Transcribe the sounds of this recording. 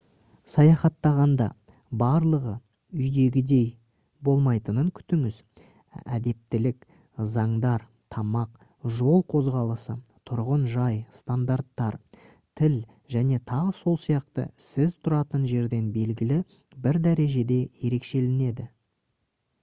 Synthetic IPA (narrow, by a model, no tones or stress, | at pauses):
sɑjɑχɑt̪ːɑʁɑnd̪ɑ̰ | bɑɾlˠəʁə | ʏjd̪e̞ɡʲɪd̪e̞j | bo̞lˠmɑjt̪ənəŋkʲʰʏ̥t̪ɪŋɪz | æ̰d̪e̞p̚t̪ɪlɪk | zɑɴd̪ɑɾ | t̪ʰɑmɑq | ʒo̞lˠqʰo̞zʁɑlˠəsət̪ʰʊɾʁənʒɑjst̪and̪aɾt̪ːɑɾ | t̪ʰɪl | ʒæne̞t̪ʰɑʁəso̞lˠsijɑqt̪ə̰sɪzt̪ʰʊɾɑt̪ənʒe̞ɾd̪e̞nbe̞lɡʲɪlɪ | bɪɾd̪æɾe̞ʒe̞d̪e̞je̞ɾe̞kʃe̞lɪne̞d̪ɪ